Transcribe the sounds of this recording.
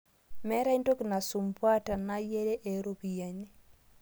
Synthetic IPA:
mɛ˦ɾa˦i˦nto˦ki˨na˨su˨mpwa˦ta˨na˦je˦ɾe˦ʔe˨ɾo˦pi˨ja˨ɲe˦

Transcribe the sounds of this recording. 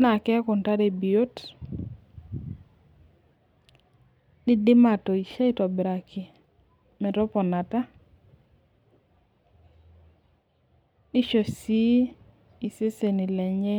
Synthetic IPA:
na˨kɛ˦kʊ˨nta˦ɾe˨bi˨o˦t | di˦dɪ˦ma˨tɔ˨i˨ʃa˦i˦tɔ˨bi˨ɾa˨kʰi˨ | mɛ˨tɔ˦pɔ˨na˨ta˦ | i˦ʃo˨si˦ | i˨se˦se˨ni˨lɛ˨ɲɛ˦

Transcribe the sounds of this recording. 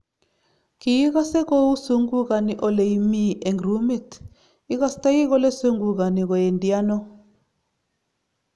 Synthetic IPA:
kiji˦ka˦sɛ˦kɔ˦u˦su˦ŋɡu˦ka˨ni˨ʔɔ˨le˨i˨mi˦ɛ˨ŋɡru˦mi˦t | i˦ka˦sta˦ji˦k̬ɔ˦lɛ˦su˦ŋɡu˨k̬a˨ni˨kɔ˨jɛ˨ndi˨a˦nɔ˦

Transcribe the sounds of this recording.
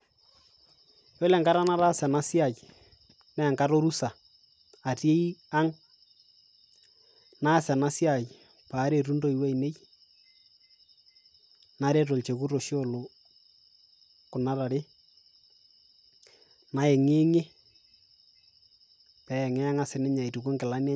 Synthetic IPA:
jo˦lɛ˨ŋka˦ɾa˦na˦ɾa˦sɛ˨na˦sja˨j | nɛ˦˨ŋka˦ɾo˦ɾu˦sa˨ | a˨te˦i˦a˦ŋ | na˦sɛ˨na˦sja˨j | paː˨˦ɾe˨ɾu˦ndo˦i˨wa˦i˨ne˦j | na˦ɾe˦to˨lt͡ʃe˨ku˦ɾo˨ʃo˦˨lo˨ | kʊ˨na˦ɾa˨ɾe˦ | na˨˦e˨ŋe˦ŋe˦ | pɛ˨˦ɛ˨ŋɛ˦a˦ŋa˦sɪ˨nɛ˦ɲa˨i˨tu˨ko˦ŋɡɪ˨la˦nja˦

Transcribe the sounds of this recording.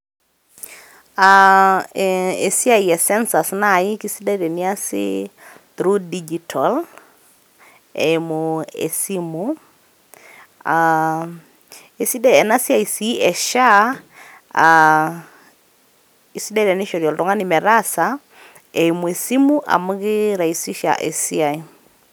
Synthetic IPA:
a | e˨si˦a˨jɛsɛ˦nsa˨snai˦ki˦si˦dɛ˦ɾɛ˨ni˦a˦sɪ̰˦tɾu˦did͡ʒitʰɔl | ɛ˨moḛsimu | a | e˨si˦dɛ˦ɛ˨na˦si˦a˨i˨si˦ʔɛ˨ʃa˦ | a | i˨si˦da˦iɾɛ˨nɪ˦ʃɔɾjɔ˨ldɔ˨ŋa˦nɪ˨mɛ˨ɾasa | ɛ˨jmu˨ɛ˨si˦mu˦ʔa̰˨mʊ˦ɣɪ˦ɾa˨i˨si˦ʃa̰ʔɛ˨si˦a˨i

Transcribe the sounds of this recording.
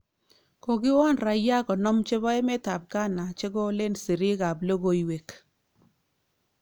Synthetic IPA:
ko˨ɡɪ˦wɔ˦nɾa˨ja˦kɔ˨nɔ˦mt͡ʃe˦βɔ˦ɛ˦mɛ˦ta˨b̚ɡa˦na˨t͡ʃe˦ɡɔ˦le˦nsi˨ɾi˦ɡa˨blo˦ɡo˨˦i˨we˨k

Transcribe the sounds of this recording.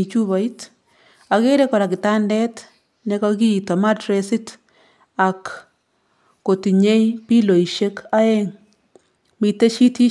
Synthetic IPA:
i˨t͡ʃu˦βa˨i˦t | a˨ke˦ɾe˦kɔ˨ɾa˨kɪ˨ta˦ndɛt | nɛ˦kɔ˦ki˦˨tɔ˨ma˦tɾesɪ˦t | a˨k | o˨ti˨ɲe˦jpi˦lo˨i˨ʃe˦ka˦e˦ŋ | mi˨te˦ʃi˦ti˦

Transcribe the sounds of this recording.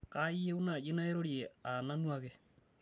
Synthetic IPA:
ka˦i˦ɛ˦u˦na˨ʄe˦na˦ɛ˦ɾɔ˦ɾjɛ˨a˨na˦nwa˦ɣɛ˦

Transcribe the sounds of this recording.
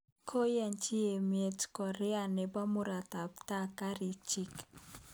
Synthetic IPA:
kʰo˦jɛ˨nt͡ʃi˦e˨mje˨tkɔ˨ɾɛ˦a˨nɛ˨ba˦mʊ˦ɾa˨ta˨p̚ta˦ka˦ɾi˨t͡ʃi˦k

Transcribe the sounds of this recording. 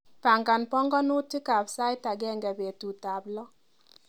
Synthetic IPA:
pa˨ŋɡa˨npɔ˦ŋɡɔ˦nu˦tɪ˦ka˨bsa˦jta˨ɡɛ˦ŋɡa˨be˨tu˨ta˨blɔ˦

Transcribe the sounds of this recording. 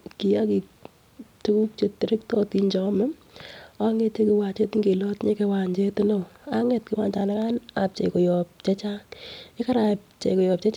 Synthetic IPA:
ki˨ja˦ki˨k | tu˦ku˦k̚t͡ʃe˨tːɪ˨ɾɪ˦ktɔ˦ti˦ɲt͡ʃɔ˨˦mɛ˦ | a˦ŋe˦te˦ki˦wa˨t͡ʃe˦tŋɡe˨lɔ˦tɲe˦ke˦wa˨ɲd͡ʒe˦tɪ˦no˦a˦ŋɛ˨tkɪ˦wa˦˨ɲt͡ʃa˨na˦ka˦na˨p̚t͡ʃḛ˨ko˨jɔ˨p̚t͡ʃɛ˦t͡ʃa˦ŋɪ˦ka˦ɾa˨p̚t͡ʃḛ˨kɔ˨jɔ˨p̚t͡ʃɛ˦t͡ʃ

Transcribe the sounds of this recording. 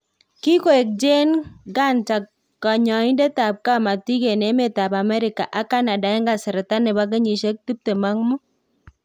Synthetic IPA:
ki˦ko˦e˨k̚d͡ʒe˦nɡa˦˨nt͡ʃa˨kː | a˨ɲɔ˨ɪ˦nde˦ta˨p̚ka˦ma˨ti˦ɡe˨ne˨˦me˨ta˨pa˨mɛ˦ɾɪ˨ka˨ʔa˦ka˦na˨da˨ɪ˦ŋɡa˨sɪ˨ɾɛ˨ta˦nɪ˨ba˦ɡ̬ɛ˦ɲi˨ʃe˦k̚tu˦p̚te˨ma˦ŋmʊ˦

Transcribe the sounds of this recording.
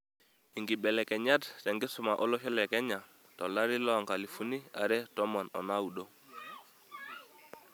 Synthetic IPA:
i˨ŋɡi˨ɓɛ˨lɛ˨kɛ˨ɲa˦tsɛ˨ŋɡi˦su˨ma˨ʔɔ˦lɔ˦ʃɔ˦lɛ˨kɛ˦ɲa˨ | tɔ˨la˦ɾi˦lɔ˨ŋka˨li˨fu˦ni˦a̰˨ɾɛ˦tɔ˦mɔ˨nɔ̰˨na˦wu˨ɗo˦

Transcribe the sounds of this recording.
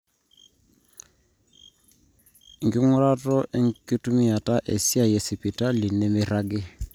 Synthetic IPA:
ŋ̩˨ɡɪ˦ŋʊ˦ɾa˦tʼɔ˦ʔɪ˦ŋ̩˦kʼɪ˦tʼu˦mi˦a˨tʼa˦ʔe˨si˦a˨je˨sɪ˨pʼi˨tʼa˦li˨ne˦mɪ˦ra˦ɡɪ˦

